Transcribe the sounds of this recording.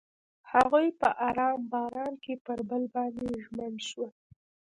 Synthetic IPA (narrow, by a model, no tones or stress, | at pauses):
haɣujpəʔaɾɑmbɑɾɑnkepəɾbəlbɑnd̪eʒmənʃwə